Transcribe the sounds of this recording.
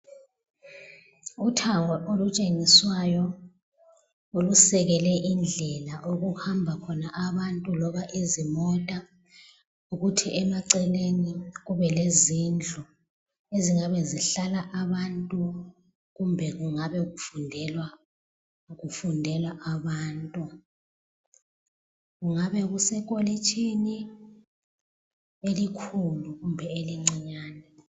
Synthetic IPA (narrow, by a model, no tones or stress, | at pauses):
utʰaŋʱɔʔolut͡ʃʼeŋiswajɔ | ulusɛɣɛlɛʔind͡ɮʱɛlaʔoɣuhambʱakʰɔnaʔaβantʼulɔβaʔezimɔtʼa | uɣutʰiʔɛmaǀɛleniɣ̬uβɛlezind͡ɮʱu | eziŋaβɛziɬalaʔaβantʼu | ɣumbʱɛɣuŋaβɛɣufundʱɛlwa | ɣufundʱɛlaʔaβaːntʼu | ɣuŋaβɛɣusɛkʼolit͡ʃʰʼini | elikʰuluɣumbʱɛeliŋ͡ǀiɲaːnɛ